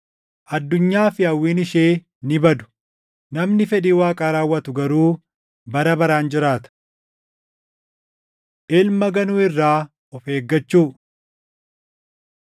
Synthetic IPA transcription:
ʔɐd̪ːʊɲːaːfɪɐwːiːnɪʃeː | nɪbɐd̪ʊ̥ | nɐmnɪfɛᶑiːwaːkʼaːɾaːwːɐt̪ʊɡɐɾuː | bɐɾɐbɐɾaːnd͡ʒɪɾaːt̪ɐ̥ | ʔɛlmɐɡɐnuːɪrːaː | ɔfeːɡːɐt͡ʃːuː

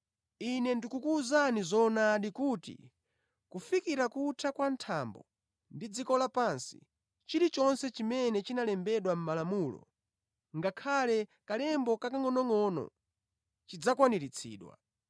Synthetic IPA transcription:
inɛndikukuːzanizɔnaːɗikuːtḭ | kufikiɾakutʰakwantʰambɔ̰ | ndid͡zikɔlapansḭ | t͡ʃiɾit͡ʃɔnsɛt͡ʃimɛnɛt͡ʃinalɛmbɛɗwam̩malamuːlɔ̰ | ŋɡakʰalɛkalɛmbɔkakaŋɔnɔŋɔːnɔ̰ | t͡ʃid͡zakwaniɾit͡sʰḭːɗwa̰

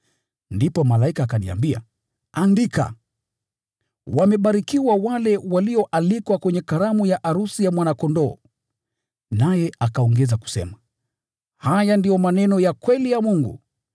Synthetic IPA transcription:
ndipɔmalaikaːkanḭa̰mbia̰ | andika̰ | wamɛɓaɾikiwawalɛwaliɔʔalikwakwɛɲɛkaɾamujaʔaɾusijamwanakɔndɔː | najɛʔakaɔŋɡɛzaku̥sɛ̰ma | hajandijɔmanɛnɔjakwɛlijamuŋɡṵ

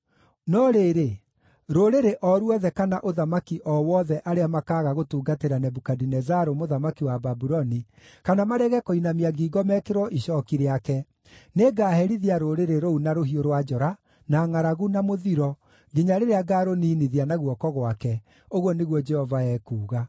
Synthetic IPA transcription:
nɔɾeːɾe | ɾoɾeɾeʔɔɾwɔðɛkanaʔoðamakiʔɔwɔðɛʔaɾeamakaːɣaɣotuːɡateɾanɛbukadinɛzaɾomoðamakiwababuɾɔni | kanamaɾɛɣɛkoinamiaɡiːɡɔmɛkeɾwɔʔiʃɔkiɾeakɛ | neɡaːhɛɾiðiaɾoɾeɾeɾounaɾoɦioɾwad͡ʒɔɾa | naŋaɾaɣunamoðiɾɔ | ɡeɲaɾeɾeaɡaɾoniːniðianaɣwɔkɔɣwakɛ | oɣwɔneɣwɔd͡ʒɛhɔvaɛːkuːɣa

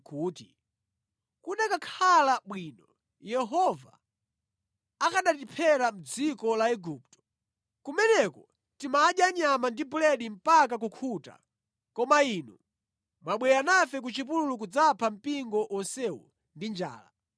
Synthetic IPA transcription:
kuːti | kuɗakakʰalaɓwinɔ | jɛɦɔva | akaɗatipʰɛɾam̩d͡zikɔlaɛɡuːp̚tɔ̥ | kumɛnɛkɔ | timaːɗjaɲamandibulɛɗim̩pakak̬ukʰuta̰ | kɔmainu | mwaɓwɛjanafɛk̬ut͡ʃip̬ululuk̬ud͡zapʰam̩piŋɡɔʔɔnsɛṵ | ndind͡ʒa̰ːla̰

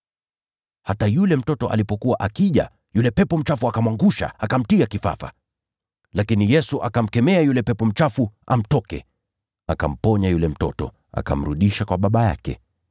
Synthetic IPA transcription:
hatajulɛm̩tɔtɔʔa̰lipɔkuwaʔakiʄa̰ | julɛpɛpɔm̩t͡ʃafuakamwaŋɡuʃa̰akam̩tiakifa̰fa̰ | lakinijɛsuʔakam̩kɛmɛajulɛpɛpɔm̩t͡ʃafua̰m̩tɔkɛ̰ | akam̩pɔɲajulɛm̩tɔ̰tɔ̰ | a̰ka̰m̩ɾuɗiʃakwaɓaɓaja̰kɛ̰

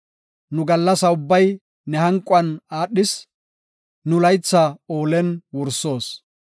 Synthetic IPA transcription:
nʊɡɐlːɐsɐʊbːɐj | nɛhɐŋkʼʊɐnaːɗːɪs | nʊlɐjt͡sːaoːlɛnwʊɾso̞ːs

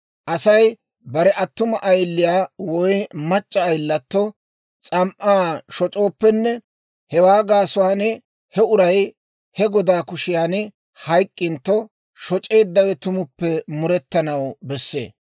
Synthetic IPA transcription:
ʔɐsɐj | bɐɾɛʔɐt̪ːʊmɐʔɐjlːɪjaːwɔjmɐt͡ʃʼːɐːjlːɐt̪ːɔ | t͡sʼɐmʔaːʃɔt͡ʃʼo̞ːpːɛnːɛ | hɛwaːɡaːsʊanɛ | hɛʊɾɐj | hɛɡɔd̪aːkʊʃɪjaːnɪ | hɐjkʼːɪnt̪ːɔ | ʃɔt͡ʃʼe̞ːd̪ːɐwɛt̪ʊmʊpːɛmʊɾɛt̪ːɐnɐwbɛsːe̞̰ː

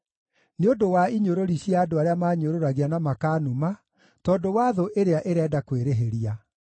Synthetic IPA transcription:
neodowaiɲoɾoɾiɕjaːdoaɾeamaːɲoɾoɾaɣianamakaːnuma | tɔdowaːðoʔeɾeaʔeɾɛdakweɾeɦeɾia

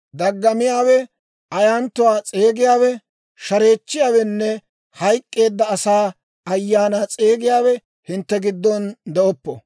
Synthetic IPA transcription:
d̪ɐɡːɐmɪjaːwɛ | ɐjaːnt̪ːʊwaːt͡sʼe̞ːɡɪjaːwɛ | ʃɐɾe̞ːt͡ʃːɪjaːwɛnːɛ | hɐjkʼːe̞ːd̪ːɐːsaː | ɐjːaːnaːt͡sʼe̞ːɡɪjaːwɛ | hɪnt̪ːɛɡɪd̪ːɔnd̪ɛɔpːɔ

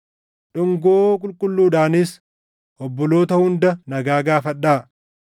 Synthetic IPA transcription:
ᶑʊŋɡoːkʼʊlkʼʊlːuːᶑaːnɪs | ʔɔbːɔlo̞ːt̪ɐhʊnd̪ɐnɐɡaːɡaːfɐᶑːaː

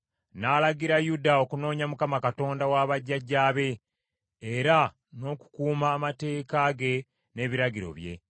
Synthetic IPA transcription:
naːlaɡiɾajudao̞kuno̞ːɲamukamakato̞ːndawaβaɟːaɟːaːβe̞ː | ɾa | no̞ːku̥kuːmaːmate̞ːkaɡe̞ | ne̞ːβiɾaɟiɾo̞̰βje̞̰

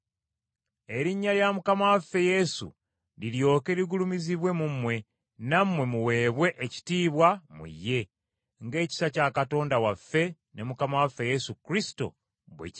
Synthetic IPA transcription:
e̞ɾiɲːaljamukamawafːe̞je̞sṵ | liljo̞ːke̞ɾiɡulumiziβwe̞mumwe̞ | namwe̞muwe̞ːβwe̞ʔeci̥tiːβwamṵjːe̞ | ŋɡe̞ːci̥sacakato̞ːndawafːe̞ | ne̞mukamawafːe̞je̞sukɾisi̥to̞̰ | βwḛc

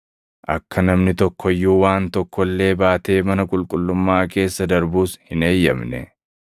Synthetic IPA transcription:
ʔɐkʰːɐnɐmnɪt̪ɔkːɔjːuːwaːnt̪ɔkːɔlːe̞ːbaːt̪e̞ːmɐnɐkʼʊlkʼʊlːʊmːaːke̞ːsːɐd̪ɐɾbuːshɪne̞ːjːɐ̰mnɛ̰

